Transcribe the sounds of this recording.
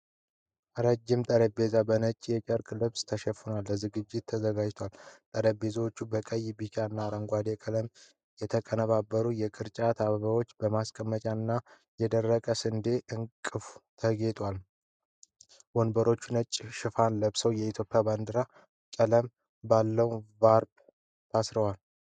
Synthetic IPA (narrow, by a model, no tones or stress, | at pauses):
ɾəd͡ʒːɪmt̪ʼəɾəbe̞zabənət͡ʃʼːjɛt͡ʃʼəɾkʼlɨβst̪ʰəʃɛfːɨnalːəzɨɡɨd͡ʒːɪt̪ʰːəzəɡad͡ʒt̪ʰwalt̪ʼəɾəbe̞zawot͡ʃːubəkʼəjbikʼanːaɾəŋɡʷad̪ekʼələm | jɛt̪ʰəkʼənəβabːəɾujɛkʼɨɾt͡ʃʼat̪ʰaβəβəwo̞t͡ʃːbəmaskʼəmːət͡ʃʼanːa | jɛd̪ərːəkʼəsɨnd̪e̞ʔɨŋkʼɨfu̥t̪ʰəɡe̞t̪ʼwal | wonbəɾo̞t͡ʃːunət͡ʃʼːʃɪfanləβsəwjɛit̪ʰjo̞pʼijaband̪ɨɾa | kʼələm | balːəwvaɾb | t̪ʰasɾəwal